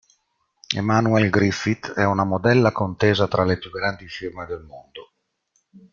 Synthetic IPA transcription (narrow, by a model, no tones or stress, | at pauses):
ḛmanuɛlɡɾifit̪ɛunamod̪ɛlːakont̪eːzat̪ɾalepjuɡːɾand̪ifirmed̪elmond̪o